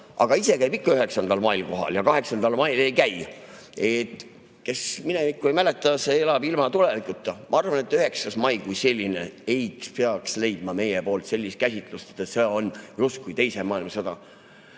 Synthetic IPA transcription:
ʔɑ̰ɡ̥ɑise̞kæjbikːɑyɦe̞ksɑnd̪̥ɑlmɑilko̞ɦɑ̰ljɑkɑɦe̞ksɑnd̪̥ɑlmɑile̞jkæj | e̞t̪ | ke̞sminemikːˑuejmæle̞t̪ːˑɑseelɑbilmɑt̪ule̞vikˑut̪ːˑɑmʔɑɑrvɑnet̪ːˑyhe̞ksɑsmɑjkujse̞lʲːine̞̰ejkspeɑksle̞jd̪̥mɑme̞jepo̞ːlt̪se̞lːist̪kæsʲit̪ˑlust̪e̥t̪ːˑeseonjust̪kujt̪e̞jse̞mɑːilmɑsɑd̪̥ɑ

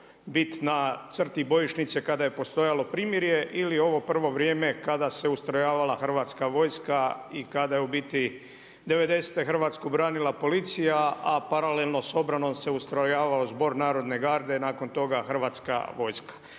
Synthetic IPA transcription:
bit̪nat̪sr̩t̪ibo̞jiʃnit̪sekad̪aje̞po̞st̪o̞jalo̞pɾiːmjeɾje̞ʔilio̞ʋo̞pr̩ʋo̞ʋɾje̞ːme̞kad̪ase̞ust̪ɾajaːʋalaxr̩ʋat̪skaʋo̞ːjskaikad̪ajeubit̪i | d̪e̞ʋe̞d̪e̞se̥t̪exr̩ʋaːt̪skubɾaːnilapo̞lit̪sijaapaɾalelˠno̞so̞bɾano̞mse̞ust̪ɾajaːʋaozbo̞ɾnaːɾo̞d̪ne̞ɡaːɾd̪e̞naːko̞nt̪o̞ɡaxrʋaːt̪ska̰ʋo̞jskḁ

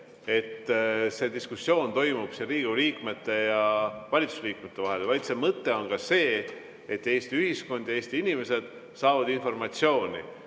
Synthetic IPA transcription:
e̞t̪ːse̞d̪iskusːjo̞ːnt̪o̞jmub̥seɾiːɡ̥uliːkˑme̞t̪ːˑe̞jɑvɑlʲit̪ːˑu̥sliːkmet̪ːe̞vɑɦe̞lvɑjd̪se̞mɤt̪ːe̞o̞nkɑse̞ː | et̪ːeːst̪iyɦisko̞nd̪jɑe̞ːst̪iinime̞se̞d̪̥ | sɑːvɑd̪info̞rmɑt̪sio̞ːnʲḭ

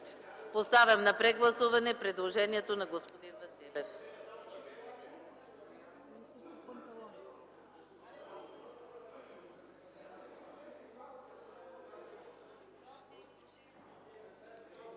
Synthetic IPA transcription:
post̪avʲɐmnɐpɾɛɡlˠɐsuvɐnɛpɾɛd̪lˠoʒɛniɛt̪onɐɡospod̪invɐsilɛf | nt̪

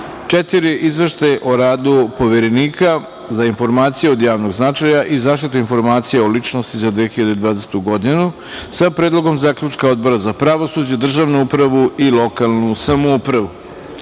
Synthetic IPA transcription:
t͡ʂet̪iɾiʔizʋeʃt̪ajʔo̞ɾaːd̪upo̞ʋeɾeniːka | zainfo̞ɾmaːt̪sijeo̞d̪jaːʋnoɡznat͡ʃajaʔizaːʃt̪it̪uinfo̞ɾmaːt̪sijeolit͡ʃnost̪izad̪ʋexiʎad̪ed̪ʋaːd̪eset̪uɡo̞d̪inu | sapɾeːd̪lˠoɡo̞mzaːkʎut͡ʂkao̞d̪bo̞ɾazapɾaʋosud͡ʑed̪r̩ʒaʋnuupɾaʋuilo̞kalˠnusamoupɾaʋu

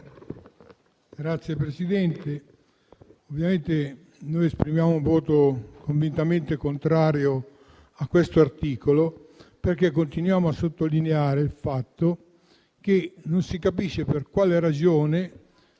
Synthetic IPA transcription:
ɡ̥ɾat̪sːjepɾesid̪ɛnt̪e | ovːjament̪e | nojespɾimjaːmouɱvɔːt̪okoɱvint̪ament̪ekont̪ɾaːɾjo | akːwest̪oart̪iːkoloperk̟ekːont̪inwjaːmoʊasːot̪ːolineaːɾeilfat̪ːo | k̟enonsikapiʃːeperkwaːleɾad͡ʒoːne

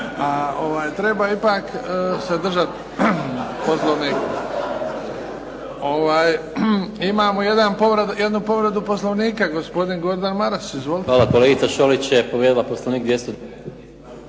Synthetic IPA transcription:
aoʋaːjt̪ɾe̞baipaːksed̪r̩ʒat̪ | poslˠoʋniːk | o̞ʋaːj | imaːmoje̞d̪anpoʋɾeje̞d̪nupo̞ʋɾed̪upo̞slˠoʋniːkaɡo̞spo̞d̪inɡo̞ɾd̪anmaɾasizʋolˠit̪ʋaːlakoleɡit̪saʃolit͡ɕjepoʋjed̪ilaposloʋniːk̚d̪ʋjest̪o

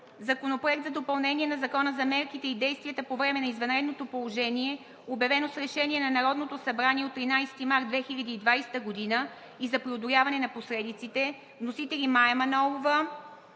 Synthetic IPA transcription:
zɐkonopɾoɛkt̪zɐd̪opɐlˠnɛniɛnɐzɐkɔnəzɐmɛɾkit̪ɛid̪ɛjst̪vʲijət̪əpovɾɛmɛnɐizvɐnɾɛd̪not̪opolˠoʒɛniɛ | objɐvɛnosɾɛʃɛniɛnɐnɐɾɔd̪not̪osɐbɾaniɛot̪ːɾinajsɛ̥t̪imaɾt̪vɛxiʎʲɐd̪iːd̪vajsɛ̥t̪əɡod̪inə | izɐpɾiod̪olʲavɐnɛnɐposɾɛd̪it̪sit̪ɛ | vnosit̪ɛlʲimajɛmɐnɔvˠovə

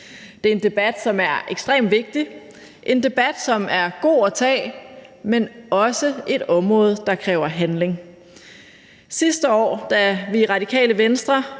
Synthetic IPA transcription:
d̥e̝æɐe̝nd̥e̝b̥æd̥sɒ̽mæɐeɡ̥sd̥ʁḛːmd̥ʋe̝ɡ̥̚d̥i | ʔe̝nd̥e̝b̥æd̥sɒ̽mæɐɡ̥o̝̰ːæt͡sʰɛ̰ː | menɒ̽səʔe̝ɾ̥ɒ̽mʁɔ̽ːð̞̩ˠd̥ɑ̈kʰʁɛːʊɐɦænle̝ŋ | sisd̥əɒ̰ːd̥æʋiʁɑ̈d̥ikʰɛ̰ːləʋensd̥ʁɐ

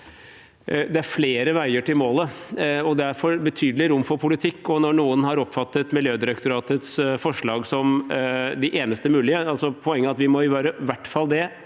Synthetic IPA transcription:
d̪ɛæɾfleːɾəʋæɪəʈɪlmoːləɔd̪ɛæɾfɔɾbət̪ʰyːd̪l̩ɪɾʊmːfɔɾpʰʊlɪt̪ʰɪkːɔnɔɳuːənhɑɾɔpːfɑt̪ːət̪mɪljøːd̪ɪɾɛkt̪ʊɾɑːt̪ət̪sfɔʂɭɑːɡsɔmd̪ɪʔeːnəst̪əmʉːlɪəɑlsɔpʰɔɛŋːəɑt̪ʋɪmɔɪʋæːɾəʋæʈːfɑld̪ɛ

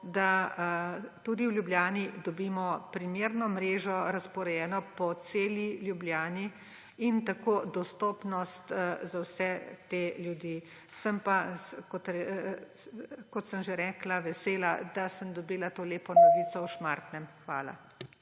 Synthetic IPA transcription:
d̪a | t̪uːd̪iwlʲjubljaːnid̪ɔbiːmɔpɾimeːɾnɔmɾeːʒɔɾaspɔɾɛjɛːnɔpɔseːljiljubljaːni | int̪akoːd̪ɔst̪oːpnɔst̪zawsɛt̪eljud̪iː | səmpakɔt̪ɛ | kɔt̪səmʒeɾɛːklaʋɛseːlad̪asəmd̪ɔbiːlat̪oːleːpɔnɔʋiːt͡s̪ɔwʃmaɾt̪nɛmxʋa̰ːla̰

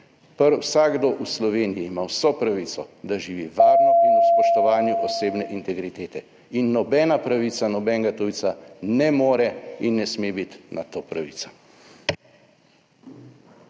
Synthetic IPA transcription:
pəɾwsaɡɡd̪oːʔuslɔʋeːnijiːmawsɔpɾaʋit̪sɔd̪aʒiʋiʋaːɾnɔinuspɔʃt̪ɔʋaːnjuʔɔseːbnɛʔint̪ɛɡɾit̪eːt̪ɛ | inːɔbɛːnapɾaʋit̪sanɔbɛŋɡat̪uisanɛmoːɾɛinːɛsmebit̪na̰t̪oːpɾaʋḭt̪sḁ

